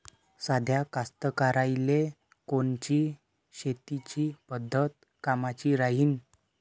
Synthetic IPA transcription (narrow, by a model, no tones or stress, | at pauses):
sad̪ʱjakast̪əkaɾajle | kont͡ɕiː | ɕet̪it͡ɕiːpəd̪ʱːət̪̚ | kamat͡ɕiːɾaɦiːn